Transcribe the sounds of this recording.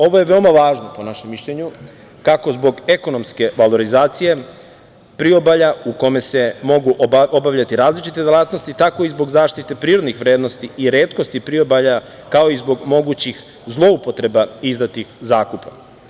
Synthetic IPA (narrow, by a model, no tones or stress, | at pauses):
o̞ʋoje̞ʋeomaʋaːʒnopo̞naʃemːiʃʎeɲu | kako̞zbo̞ɡe̞ko̞no̞mske̞ʋalo̞ɾizaːt̪sije̞ | pɾio̞baʎauko̞me̞se̞mo̞ɡuʔo̞baʋʎat̪iɾaːzlit͡ʃit̪e̞d̪elˠat̪no̞st̪it̪ako̞izbo̞ɡzaːʃt̪it̪e̞pɾiːɾo̞d̪nixʋɾeːd̪no̞st̪iiɾe̞ːt̪kost̪ipɾio̞baʎa | kao̞izbo̞ɡmo̞ɡut͡ɕix | zlˠo̞upo̞t̪ɾebaizd̪at̪ixzaːkupa